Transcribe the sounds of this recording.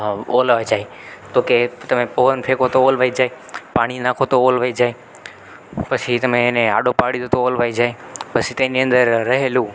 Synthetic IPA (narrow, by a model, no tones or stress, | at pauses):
olʋajd͡ʒae | t̪oket̪əmẽpoʋənpʰekot̪oolʋaid͡ʒae | paɽ̃inãkʰot̪oolʋaid͡ʒae | pət͡ʃʰit̪əmẽːnea̰ɖopaɽid̪ot̪oolʋajd͡ʒaepət͡ʃʰit̪eniə̃nd̪əɾːəɦelũ